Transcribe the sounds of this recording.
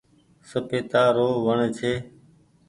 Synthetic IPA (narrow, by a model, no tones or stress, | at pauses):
səpeːt̪aːɾoːʋəɳt͡ʃʰeː